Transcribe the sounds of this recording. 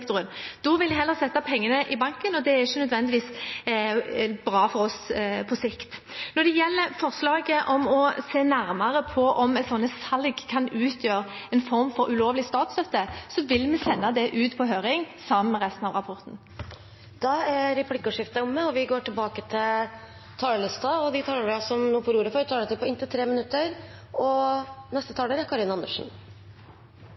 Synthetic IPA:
kt̪ʊʁənd̪̥ɔʋɪlæhɛlːəʁsɛt̪ːɑpʰɛŋːənəʔɪbɑŋkənɔd̪ɛæɪçənœd̪ʋɛnd̪ɪʋiːs | bɾɑːfɔɾɔspʰɔsɪkt̪ | nɔd̪ɛjɛlːəɾfɔʁslɑːɡəʔɔmɔseːnæɾmɑɾəpʰɔʔɔmɛsɔnːəsɑlɡkʰɑnʉːt̪ʰjøːɾɛnfɔɾmfɔɾʉloːʋlɪst̪ɑːt̪st̪œt̪ːəsɔʋɪlmɛsɛnːɑd̪ɛʔʉːt̪pʰɔɦøːɾɪŋsɑmnmɛʁɛst̪n̩ɑʋʁɑpʰɔʁt̪n̩ | d̪̥ɑæɾɛpʰlɪkːʊʂɪft̪əʊmːəɔʋɪɡoːʈʰɪlbɑːkət̪ʰɪl | t̪ʰɑːləlɪst̪ɑɔd̪ɪt̪ʰɑːləɾɾɑsɔmnuːəpʰɔɾuːɾəfɔɾʋt̪ʰɑːɖɛt̪ʰɪlpʰɔɪnt̪ɪlt̪ʰɾeːmənʉt̪ːəɾɔnɛst̪ət̪ɑːɖəɾækʰɑɾɪnɑɑnd̪əʂn̩

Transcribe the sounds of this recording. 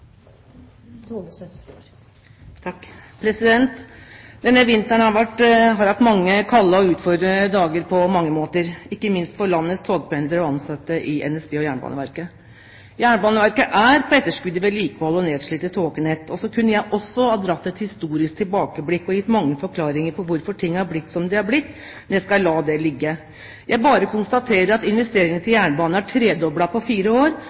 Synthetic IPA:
pʰɾɛsɪd̪ɛnt̪d̪̥ɛnːəʋɪnt̪æɳhɑɾʋæʈːɦɑɾʋækʈ̪mɑŋːəkʰɑlːəɔʉːt̪fɔɾd̪ɾəd̪ɑːɡəɾpʰɔmɑŋːəmoːt̪əɾɪkːəmɪnst̪fɔɾɭɑnːəst̪ʰoːɡ̚pʰɛnd̪əɾɔɑnsɑt̪ːəʔɪʔɛ̰nɛsbeːɔjæːɳəbɑ̰ːnə̰ʋæɾkə | jæːɳəbɑːnəʋæɾkəʔæɾpʰɔɛt̪ːəʂkʉd̪ːəʋɛliːkəhɔlːɔneːd̪ʂɭiːt̪ət̪ʰoːkənɛt̪ːʰɔsɔkʰʉnːəjæɪʔɔsːɔhɑːd̪ɾɑt̪ːɛt̪hɪst̪uːɾɪsk̚t̪ʰɪlbɑːkəblɪkːɔjɪt̪ːmɑŋːəfɔɾkʰlɑːɾɪŋəɾpʰɔʋʊɾfɔʈʰɪŋːæɾblɪt̪ːsɔmd̪ɛhɑblɪt̪ː | njæɪskɑlɑːd̪ɛlɪɡːə | jæɪbɑːɾəkʰʊnst̪ɑt̪ʰeːɾəɾɑt̪ɪnʋɛst̪eːɾɪŋənt̪ɪljæːɳəbɑːnəæʈʰɾeːd̪ɔbɽɑpɔfiːɾəoːɾ

